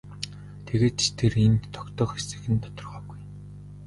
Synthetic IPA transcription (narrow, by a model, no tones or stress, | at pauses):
t̪ʰeɣeːt̪ʰerent̪ʰːɔkt̪ɔːxesɘ̆xɘ̆nt̪ʰɔ̥t̪ɞ̆rʁœːɡuj